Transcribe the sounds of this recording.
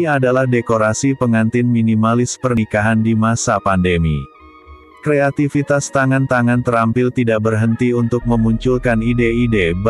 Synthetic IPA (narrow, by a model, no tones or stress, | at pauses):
adalahdekoɾasipəŋant̪ɪnminimalɪspərnikaɦandimasapandemḭ | kɾeat̪ifit̪ast̪aŋant̪aŋant̪əɾampɪlt̪idaʔ̚bərɦənt̪iunt̪ʊk̚məmuɲt͡ʃulkanideideb